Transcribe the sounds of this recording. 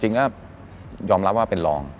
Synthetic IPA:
t͡ɕi˧ŋka˦˥˩ | jɔː˧mɾa˦˥p̚waː˥˩pe˧nlɔ̰ː˧ŋ

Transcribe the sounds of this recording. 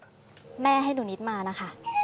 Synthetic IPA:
mɛː˥˩ɦa˥˩jnuː˩˦ni˦˥t̪̚maː˧na˦˥kʰa˥˩

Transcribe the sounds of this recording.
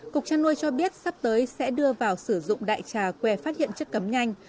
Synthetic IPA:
kʊ˨˩k̚t͡ɕaː˧nːu˧jt͡ɕɔ˧ɓi˦˥ət̚sa˦˥p̚t̪əː˨˦jsɛ̰˧˥ɗɨ˧əvaː˨˩wsɨ˧˩zʊ̰˧˨ŋ͡mɗa̰ː˧˨jt͡ɕaː˨˩kwɛ˨˩faː˦˥t̚hḭ˧˨ənt͡ɕɨ˦˥kːə˨˦mɲa˧jŋ̟

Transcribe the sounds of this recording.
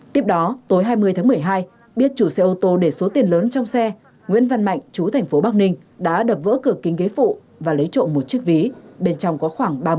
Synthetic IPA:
t̪i˦˥əp̚ɗɔ˨˦t̪o˨˦jɦaː˧jmɨ˧əjt̪ʰaː˨˦ŋmɨ˨˩əjɦaː˧j | ɓi˦˥ət̚t͡ɕu˧˩sɛ˧ʔo˧t̪o˧ɗe˧˩so˨˦t̪i˨˩ənləː˨˦nt͡ɕɔ˧wŋ͡msɛ˧ | ŋwḭ˧˥ənva˧nma̰˧˨jŋ̟t͡ɕu˨˦t̪ʰɛ˨˩ŋ̟fo˨˦ɓaː˦˥k̚nï˧ŋ̟ | ɗa̰ː˧˥ɗə˨˩p̚və̰ː˧˥kɨ˧˩əkï˨˦ŋke˨˦fṵ˧˨ | vaː˨˩lə˨˦jt͡ɕo̰˧˨nmo˨˩t̚t͡ɕək̚vi˨˦ɓe˧nt͡ɕɔ˧wŋ͡mkɔ˨˦xwaː˧˩ŋɓaː˧

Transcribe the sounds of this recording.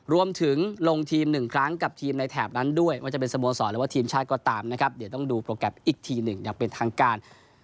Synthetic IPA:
ɾu˧əmt̪ʰɯ˨˩˦ŋlo˧ŋt̪ʰiː˧mnɯ˨˩ŋkʰɾa˦˥ŋka˨˩p̚t̪ʰiː˧mna˧jt̪ʰɛː˨˩p̚na˦˥ndu˥˩əjma˥˩t͡ɕa˨˩p̬e˧sa˧moː˧sɔː˩˦ɾɯː˩˦waː˥˩t̪ʰiː˧mt͡ɕʰaː˥˩t̪̚kɔː˧˩t̪aː˧mna˦˥kʰa˦˥p̚di˨˦t̪ɔ˥˩ŋduː˧pɾoː˧kɛ˨˩p̚ʔiː˨˩k̚t̪ʰiː˧nɯ˨˩ŋjaː˨˩ŋpe˧nt̪ʰaː˧ŋkaː˧n

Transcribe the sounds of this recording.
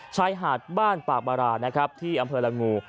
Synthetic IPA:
t͡ɕʰaː˧jɦaː˨˩t̪̚baː˥˩npaː˨˩k̚baː˧ɾaː˧na˦˥kʰɾa˦˥p̚t̪ʰiː˥˩ʔa˧mpʰɤː˧la˧ŋuː˧

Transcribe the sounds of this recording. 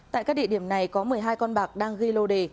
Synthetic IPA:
ta̰ː˧˨jkaː˦˥k̚ɗḭ˧˨ɗi˧˩əmna˨˩jkɔ˨˦mɨ˨˩əjɦaː˧jkɔ˧nɓaː˨˩k̚ɗaː˧ŋɣi˧lo˧ɗe˨˩

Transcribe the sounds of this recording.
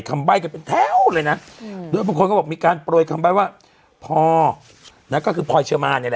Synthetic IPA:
jkʰa˧mba˥˩jka˧˩pe˧nt̪ʰɛː˦˥˩wwlɤː˧jna˦˥doː˧˩jbaː˧˥˩kʰkɔː˥˩˨miː˧kaː˧npɾu˨˩j̚kʰa˧mbaː˦˥˩jwaː˥˩ | pʰɔː˧ | na˦˥kɔː˥˩kʰɯː˧pʰɔː˧jt͡ɕʰɯ˧maː˧niː˧˥˩lɛ˧

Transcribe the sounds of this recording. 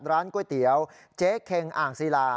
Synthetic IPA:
t̪̚ɾaː˦˥nku˧˩əjt̪i˩˦əw | t͡ɕeː˦˥kʰe˧ŋʔaː˨˩ŋsi˧laː˧

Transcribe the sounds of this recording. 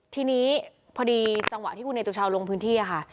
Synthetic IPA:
t̪ʰiː˧niː˦˥ | pʰɔ˧diː˧t͡ɕa˧ŋwa˨˩ʔt̪ʰiː˥˩ku˧na˧jt̪u˧˩t͡ɕʰaː˧wlo˧ŋpʰɯː˦˥nt̪ʰiː˥˩ʔa˩kʰa˥˩

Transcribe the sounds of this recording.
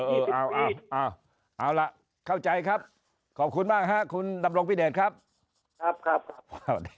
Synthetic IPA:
ʔɤː˧˩ʔaː˧˩wʔaː˧˩wʔaː˧˩w | ʔa˧˩wla˨˩ʔ | kʰa˥˩wt͡ɕa˧jkʰa˦˥p̚ | kʰɔː˨˩p̚kʰu˧nmaː˥˩k̚ɦa˦˥ʔkʰu˧nda˧mɾo˧ŋbʰiː˥˩deː˨˩t̚kʰa˦˥p̚ | kʰa˦˥p̚kʰa˦˥p̚kʰa˦˥wa˧˩w

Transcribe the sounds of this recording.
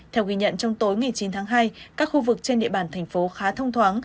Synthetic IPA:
t̪ʰɛ˧wki˧ɲə̰˧˨nt͡ɕɔ˧wŋ͡mt̪o˨˦jŋa˨˩jt͡ɕi˨˦nt̪ʰaː˨˦ŋɦaː˧jkaː˦˥k̚xu˧vɨ˨˩k̚t͡ɕe˧nɗḭ˧˨əɓaː˧˩nt̪ʰɛ˨˩jŋ̟fo˨˦xaː˨˦t̪ʰə˧wŋ͡mt̪ʰwaː˨˦ŋ

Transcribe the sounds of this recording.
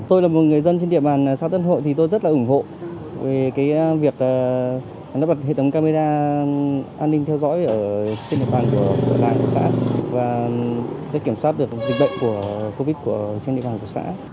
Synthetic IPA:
t̪o˧jlaː˨˩mo˨˩t̚ŋɨ˨˩əjzə˧nt͡ɕe˧nɗḭ˧˨əɓaː˨˩n˨˩sa̰˧˥t̪ə˦˧˥nɦo̰˧˨jt̪ʰi˨˩t̪o˧jzə˦˥t̚laː˨˩ʔʊ˧˩ŋ͡mɦo̰˧˨ | ve˨˩kaː˨˦jvi˨˩ək̚ʔəː˨˩ | nɔ˨˦˥ɓa˨˩t̚hḛ˧˨ə˨˦ŋ͡mkaː˧me˧zaː˧ | ʔaː˧nːï˧ŋ̟t̪ʰɛ˧wzɔ̰˧˥jʔəː˧˩t͡ɕe˧nɗḭ˧ə˨ɓaː˨˩nku˧˩ə˧˩laː˨˩nku˧˩sa̰ː˧˥vaː˨˩ | sɛ̰˧˥ki˧˩əmswaː˦˥t̚ɗɨ˨˩ək̚zï˨˩k̟̚ɗə̰˧˨wŋ͡mku˧˩əko˧vi˦˥t̚ku˧˩ət͡ɕnɗḭ˧˨ɓaː˨˩nku˧˩sa̰ː˧˥

